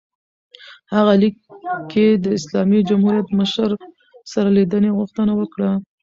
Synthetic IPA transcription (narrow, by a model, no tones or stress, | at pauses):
haɣalikʰːed̪əɪslɑmid͡ʒamhuɾijat̪məʃɾ | saɾalid̪əneɣʊxt̪ənawəkɽa